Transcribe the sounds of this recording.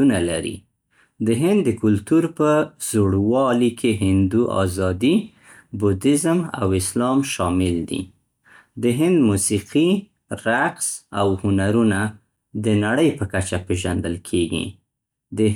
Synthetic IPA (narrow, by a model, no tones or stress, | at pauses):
unalaɾḭ | d̪əɦɪnd̪ːəkʊlt̪uɾpəz̥oɽwɑlikʰeɦɪnd̪uʔɑ̰zɑd̪i | bud̪ɪzma̰wɪslɑmʃɑmɪld̪ḭ | d̪əɦɪnd̪musiqi | ɾaqsawhʊnaɾuna | d̪ənaɽəjpəkat͡ʃapeʒand̪əlkʰeɡḭ | d̪ə